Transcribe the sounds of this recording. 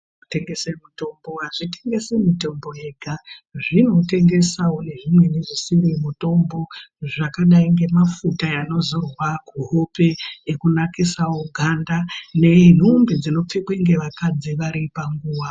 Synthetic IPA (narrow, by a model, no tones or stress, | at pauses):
teŋɡesemuto̞mbo̞ɦaʐite̞ŋɡe̞semito̞mbo̞jeɡʱaʐino̞te̞ŋɡe̞sawo̞ne̞ʐimwe̞ne̞ʐisiɾemuto̞mbo̞ʐakaɗaiŋɡe̞mafutajano̞zorwakuɦope̞ekunakisawoɡʱandane̞n̤umbed͡zino̞p͡fekweŋɡe̞ʋakad͡ziʋaɾipaŋɡuːwa